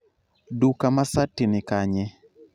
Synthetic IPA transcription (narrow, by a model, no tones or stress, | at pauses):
dukamasatːinɪkaɲɛ